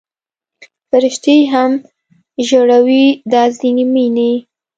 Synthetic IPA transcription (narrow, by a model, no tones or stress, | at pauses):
faɾɪʃt̪ejɦam | ʒoɽawid̪ɑzd̪inimina